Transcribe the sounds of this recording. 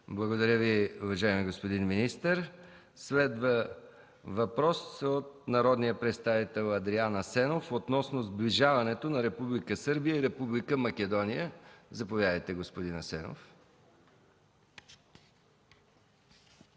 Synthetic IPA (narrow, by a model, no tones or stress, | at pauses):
blˠɐɡod̪ɐɾʲəviuvɐʒaɛmiɡospod̪inminist̪əɾ | slɛd̪və | vɐpɾɔsot̪̚nɐɾɔd̪nijəpɾɛt̪st̪avit̪ɛlˠɐd̪ɾianəsɛnofot̪nɔsnozbliʒavɐnɛt̪onɐɾɛpublikəsɤɾbijəiɾɛpublikəmɐkɛd̪ɔnijəzɐpovʲjad̪əjt̪ɛɡospod̪inɐsɛno̰f